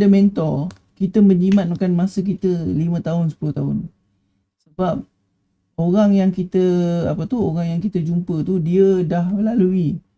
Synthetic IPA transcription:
əment̪ɔ | kit̪əməɲimat̪̚makanmasək̬it̪əlimə̃t̪aɦʊnsə̥pulʊht̪aɦʊn | səbap̚ | oɾaŋjaŋkit̪əapət̪uɦoɾaŋjaŋkit̪əd͡ʒumpət̪udiədahməlalui

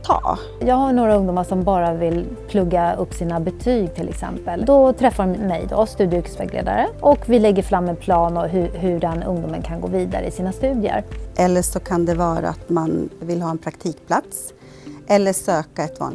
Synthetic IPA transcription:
t̪ʰɑ̰ː | jɑːɡhaɳoːɾaɵŋd̪uːmaʂɔmbɑːɾavɪlpʰlɵɡːaɵpːsiːnabɛt̪ʰyːɡ̚t̪ʰɪlʔɛ̰ksɛ̰mpəld̪ɔt̪ʰɾɛfːamɛ̰jd̪ɔ̰st̪ʉd̪ɪʉkɛ̥svɛ̰ɡlḛːd̪a̰ɾəʔɔkvɪlɛɡːəɾfɾamːɛnpʰlɑːnɔɦɵɦɵɖɛnɵ̰ŋd̪uːmənkʰanɡo̰ːviːd̪a̰ɾə̰ɪsiːnast̪ʉ̟ːd̪jə̰ɾʔɛlːəʂɔkʰand̪ɛvɑːɾa̰at̪manvɪlɦɑːɛnpʰɾakt̪ʰiːkpʰlat̪s | ʔɛlːəʂøːkaɛt̪vɑ̰ːn

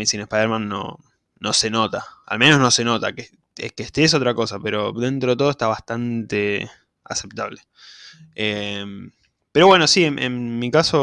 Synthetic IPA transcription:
isinespajðeɾmãnːo̰ | no̞se̞no̞t̪aa̰lme̞noɦno̞se̞no̞t̪a̰ke | ekeht̪es̬o̞t̪ɾako̞sapeɾo̞dent̪ɾoðt̪o̞ðoeht̪aβaht̪ant̪e | a̰se̞p̚t̪aβle | em | peɾo̞βwe̞nosienʔḛnmikaso

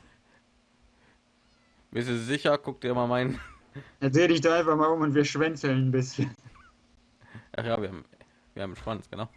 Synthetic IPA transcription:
bɪstuzzɪçɐkʰʊk̚td̥iːɐmaːlmaɪn | ɛdʁeːədɪçd̥aːaɪnfaχmaːlʁʊmʊntv̥iːɐʃv̥ɛnt͡sl̩nnbɪsçən | ja̰χjaːviːɐhaːm | viːɐhaːbm̩ʃv̥ant͡sɡ̥ənaʊ

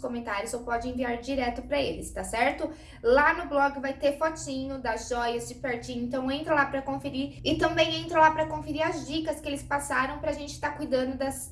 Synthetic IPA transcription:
skõmẽnt̪aɾjʊzowpɔd͡ʒɪẽviaɾd͡ʒiɾɛt̪ʊpɾɐelɪst̪asɛɾt̪ʊ | lanʊblɔɡɪvajt̪eɾfɔt͡ʃĩɲʊd̪ɐzʒɔjɐzd͡ʒɪpeɾt͡ʃĩʊẽnt̪ɐ̃w̃ẽnt̪ɾɐ̃lapɾɐkõfeɾiɾɪt̪ɐ̃mbẽj̃ẽnt̪ɾɐ̃lapɾɐkõfeɾiɾɐzd͡ʒikɐskɪelɪspasaɾɐ̃w̃pɾɐaʒẽnt͡ʃɪ̥t̪akujd̪ɐ̃nd̪ʊd̪ɐs

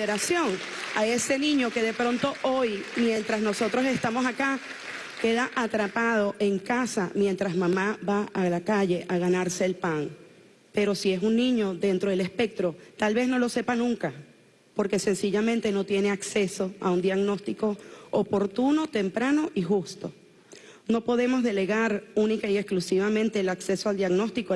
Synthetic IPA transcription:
eɾasjo̞ŋ | ae̞se̞nĩɲo̞ke̞ðe̞pɾo̞nt̪o̞ʔojmjẽ̞nt̪ɾasno̞so̞t̪ɾo̞se̞st̪amo̞saka | ke̞ðaʔat̪ɾapað̞o̞ʔe̞ŋkasamje̞nt̪ɾasmãmaβaːlakaʝe̞ʔaɣanaɾse̞ːlpaŋ | pe̞ɾo̞sie̞sunnĩɲo̞ðe̞nt̪ɾo̞ðele̞spe̞k̚t̪ɾot̪alβe̞zno̞lo̞se̞panũŋka | po̞ɾke̞se̞nsiʝamẽnt̪e̞no̞t̪je̞ne̞akse̞so̞aund̪jaɣno̞st̪iko̞ːpo̞ɾt̪uno̞t̪e̞mpɾano̞ʔixust̪o̞ | no̞po̞ðe̞mo̞zðe̞le̞ɣaɾunikaiesklusiβamẽ̞nt̪e̞ːlakse̞soald̪jaɣno̞st̪iko

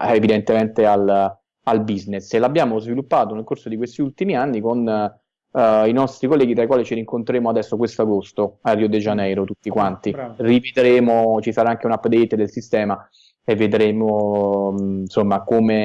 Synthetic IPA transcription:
evid̪ent̪emɛnt̪eal | albizneselabːjaːmozvilupːaːt̪onelkorsod̪ikwest̪iult̪imianːikon | inɔst̪ɾikolːɛːɡit̪ɾaikwaːlit͡ʃiɾiŋkont̪ɾeɾeːmoad̪ɛsːokwest̪oaɡost̪oariːod̪ed͡ʒanɛjɾot̪ut̪ːikwant̪irived̪ɾeːmot͡ʃisaɾaaŋkeunapd̪et̪ed̪elsist̪ɛːma | evːed̪ɾeːmo | nsomːakoːme

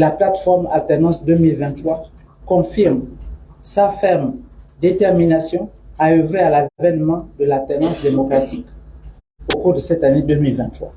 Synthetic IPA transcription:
laplat̪fɔʁma̰lt̪ɛʁnɑ̃sd̪ømilvɛ̃nt̪χwa | kɔ̃fiʁmsafɛʁmd̪et̪ɛʁminasjɔ̃aøvealavɛnmɑ̃d̪əlalt̪ɛʁnɑ̃sd̪emɔkʁat̪ik | okuʁd̪əsɛt̪aned̪ømilvɛ̃t̪χwa̰

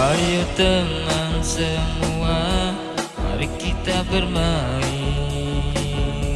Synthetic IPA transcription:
ajot̪əmansəmua | a̰ɾikit̪abərmai

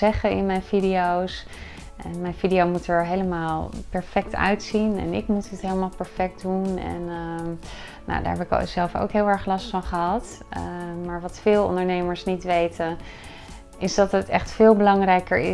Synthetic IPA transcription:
ɛχənɪnmɛjnfidiows | ʔɛnmɛjnfidiowmutɛɹɦejləmaːlˠpɛɹfɛk̚tʰœ̰ɥtsinɛ̰nɪ̰kmutɦətɦejləmaːlˠpɛɹfɛk̚tdunɛ̰nəː | o̰wda̰ɹɦɛpɪkz̥ɛlˠfo̰wkɦɪːlˠɛɹχlɑstfɑnχəɦɑt | maːɹʋɑtfɪːlˠɔ̰ndəɹnejməɹsnitʋejtən | ʔɪsdɑtɦətɛ̰χtfɪːlˠbəlɑŋrɛjkəɹɪ

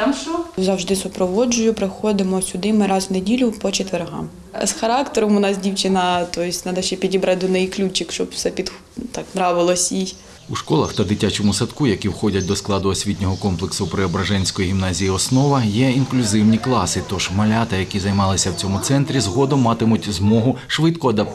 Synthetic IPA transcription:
mʃɔzɐwʒd̪ɪsʊpɾɔʋɔd͡ʒʊjʊpɾɪxɔd̪ɪmɔsʲʊd̪ɪmɪɾɑzwnedʲilʲʊpɔt͡ʃet̪ʋeɾɦɑ̰m | sxɐɾɑkt̪eɾɔmʊnɑsdʲiwt͡ʃɪnɐt̪ɔɪsʲtʲnɑd̪ɐʃt͡ʃɛpʲidʲibɾɐd̪ʊnɪjklʲut͡ʃɪkʃt͡ʃɔpw̥sɛpʲid̪ | t̪ɑknɾɑʋɪlˠɔsʲij | uʃkɔlˠɐxt̪ɐd̪ɪtʲat͡ʃɔmʊsɐt̪kujɐkʲiwxɔdʲɐt̚ʲd̪ɔsklˠɑd̪ʊɔsʲʋʲitʲnʲɔɦɔkɔmplˠeksʊpɾɪɔbɾɐʒɛnʲsʲkɔjiɦʲimnɑzʲijiɔsnɔʋɐjɛinklʲʊzɪwnʲiklˠɑsɪt̪ɔʒmɐlʲɑt̪ɐjɐkʲizɐjmɑlˠɪsʲɐwt͡sʲɔmʊt̪sɛnt̪ɾʲizɦɔd̪ɔmːɑt̪ɪmʊtʲzmɔɦʊʃʋɪt̪kɔɐd̪ɐp

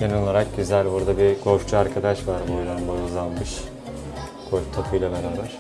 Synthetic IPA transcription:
ɟ̥enio̞lˠaɾak̚ɟyzælʲbuɾd̪abiɡʰo̞ʃt͡ʃʰuaɾkʰad̪aʃvaɾbojɾanb̪ajuzanˠmɯʃ | kʰolʲt̪ʰapʰɯjlˠabeɾaːbæɾ̥

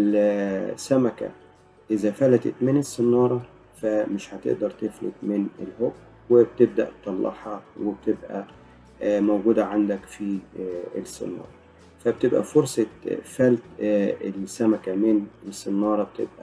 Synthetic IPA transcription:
l | sæmækæ̰ | ʔezæfælæt̪ḛt̪menesːenːɑːɾˤɑ | fæmeʃhæt̪ḛʔd̪ɑɾˤt̪eflḛt̪menelhoʔ | web̚t̪eb̚d̪æ̰ʔt̪ˤːɑlːʔɑ̰ħɑweb̚t̪ebʔæ̰ | mowɡuːd̪æʕand̪ækfiḛsːḛnːɑ̰ːɾˤɑ | fæbt̪ebʔæ̰foɾsˤɑfælt̪elsːæmækæmenesːenːɑːɾˤɑbet̪ḛbʔæ

